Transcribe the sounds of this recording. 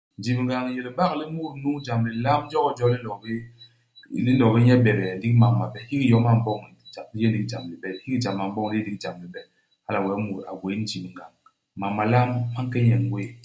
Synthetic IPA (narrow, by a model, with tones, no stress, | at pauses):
n˦d͡ʒi˨m˨ŋɡa˨ŋje˨li˨˦ba˦kli˦mu˦˨ɾnu˦ŋd͡ʒa˨mli˨la˦m˦d͡ʒɔ˦kɔ˦d͡ʒɔ˦li˦n˦ɔ˨bi˦ | li˦n˦ɔ˨bi˦ɲɛ˦bɛ˨bɛ˨˦di˦kma˨mːa˨bɛ˨hi˦ki˦jɔ˨˦ma˨m̩˦bɔ˦ŋ˨d͡ʒa˨˦je˦ndi˨˦d͡ʒa˨mli˨bɛ˨hi˦ki˦d͡ʒa˨ma˨m˦bɔ˦ŋli˦e˦di˦kd͡ʒa˨mli˨bɛ˨ | ha˦la˨wɛ˨˦mu˨ɾa̰˨ɡwe˨˦n˦d͡ʒi˨pŋɡa˨ŋ | ma˨mːa˨la˦mːa˦ŋ˦kɛ˦ɲɛ˨ŋwe˦